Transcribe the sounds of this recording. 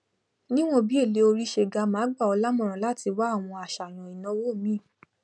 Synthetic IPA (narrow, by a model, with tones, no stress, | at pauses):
nĩ˦w̃ɔ̃˦bi˦e˦˨le˨˦o˧ɾi˦ʃe˦˨ɡa˧˦mãː˨˦ɡ͡ba˦˨ɔ˧la˦mɔ̃˦˨ɾ̃ɔ̃˨la˦ti˧wa˦˨w̃ɔ̃˧a˨ʃa˨nã˨i˨nɔ̃˨˦wo˦˨mĩ˦˨